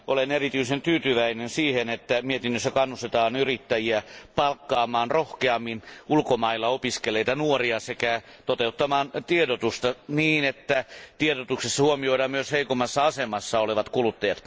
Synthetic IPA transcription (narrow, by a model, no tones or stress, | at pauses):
ʔolenerit̪yisent̪yːt̪yʋæinensiːhenet̪ːæmiet̪inːøsːækɑnːust̪et̪ɑːnyrit̪ːæjiæpɑlkːɑːmɑːnrohkeɑmːinulkomɑilːɑopiskeleit̪ɑnuoriɑsekæ | t̪ot̪eut̪ːɑmɑːnt̪iedot̪ust̪ɑniːnet̪ːæt̪ieɾot̪uksesːɑhuomioiɾɑːmmyøsheikomːˑɑsːɑɑsemɑsːɑoleʋɑt̪kulut̪ːɑjɑt̪